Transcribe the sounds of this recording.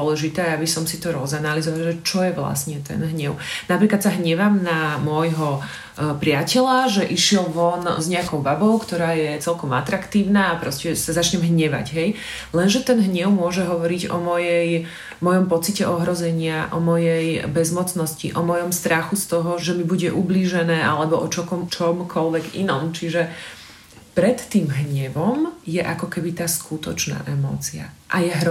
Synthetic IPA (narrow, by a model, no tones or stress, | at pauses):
ɔlɛʒit̪ɛːabisɔmsit̪ɔɾɔzanalizɔʋalʒɛt͡ʃɔjɛʋla̰sɲɛt̪ɛ̰nɦɲɛʊnapɾiːklat̪saɦɲɛʋamnamɔjɦɔ | pɾɪacɛlaʒɛʔiʃɪɛlʋɔnzɲɛakɔʊbabɔʊkt̪ɔɾaːjɛt͡sɛlkɔma̰t̪ɾakt̪iːʊnaːpɾɔscɛsazat͡ʃɲɛmɦɲɛʋa̰ɟɦɛj | lɛnʒɛt̪ɛnɦɲɛʊmʊɔʒɛɦɔʋɔɾiɟɔ̰mɔjɛj | mɔjɔmpɔt͡sicɛʔɔɦɾɔzɛɲɪaʔɔmɔjɛjbɛzmɔt͡snɔscḭʔɔmɔjɔmst̪ɾaxust̪ɔɦɔʒɛmibuɟɛʔubliːʒɛnɛːʔalɛbɔʔɔt͡ʃɔkt͡ʃɔmkʰɔlʋɛɡḭnɔmt͡ʃiʒɛ | pɾɛt̪ːiːmɦɲɛʋɔmjɛʔakɔkɛbit̪aːskʰut̪ɔt͡ʃna̰ːʔɛmɔ̰ːt͡sia̰ʔajɛɦɾ